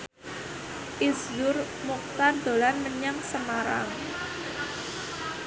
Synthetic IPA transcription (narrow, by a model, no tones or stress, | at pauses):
ʔislʊr | muk̚t̪and̪̥o̤lanməɲaŋsəmaɾa̰ŋ